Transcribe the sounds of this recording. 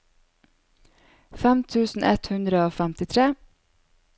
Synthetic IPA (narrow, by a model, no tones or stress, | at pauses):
fæmt̪ʰʉːsn̩ʔɛt̪hʉnd̪ɾəoːfæmt̪ɪt̪ʰɾeː